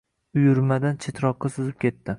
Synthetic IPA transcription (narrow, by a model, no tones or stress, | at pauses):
ʊjʊɾmad̪ant͡ʃʰet̪ʰɾɒqːɑsʊzɪp̚kʲe̞t̪ːɪ